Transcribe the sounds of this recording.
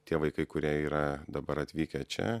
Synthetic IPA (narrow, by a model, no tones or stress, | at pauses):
t̪ʲiɛʋɐɪkɐɪkʊɾʲiɛiːɾɐd̪ɐbɐɾɐt̪ʲʋʲiːkʲɛt͡ʃʲɛ̰